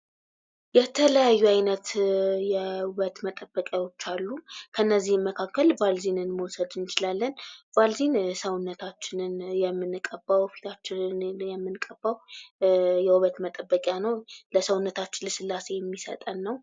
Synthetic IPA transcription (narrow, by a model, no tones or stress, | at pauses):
jɛt̪ʰələjajːuajnət̪jɛhuβət̪mət̪ʼəbːəkʼjawo̞t͡ʃːalːukʰənːəzːihmːəkʰakːəlvalzinɨnməwsəd̪ɨnt͡ʃɪlalːənv̥alzinsəwʊnːət̪ʰat͡ʃːɪnɨnjɛmːɨnːɨkʼəbːawfi̥t̪ʰat͡ʃːɪnjɛmːɨnkʼəbːaw | jɛhuβət̪mət̪ʼəbːəkʼjanəwləsəwʊnːət̪ʰat͡ʃːɪnləsɨlːase̞jɛmːisə̰t̪ʼənːəw